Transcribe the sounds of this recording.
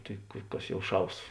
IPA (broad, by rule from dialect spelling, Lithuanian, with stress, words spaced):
ˈtɐɪ ˈkɐs ˈjɛʊ ˈʃɐʊs